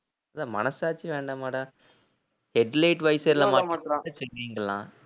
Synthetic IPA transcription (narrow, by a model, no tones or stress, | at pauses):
ɐðãːmɐnɐsaːt͡ʃːiʋeːɳɖaːmaːʈɐ̃ | hɛɖlɐɪʈʋɐɪsɐɾlɐmaːãːʈːɯt͡ʃɛnɾiːŋɡɐɭːã̰ː